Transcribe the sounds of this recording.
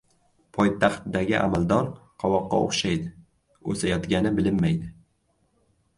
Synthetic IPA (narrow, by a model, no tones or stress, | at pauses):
pʰɒjt̪ʰaχt̪d̪aɡʲɪ̰ʔa̰mald̪ɒɾqʰɒwɒqːɑ̰o̰χʃajd̪ɪ | ɵ̰sajɒt̪ɡʲanɪbɪlɪmːajd̪ɪ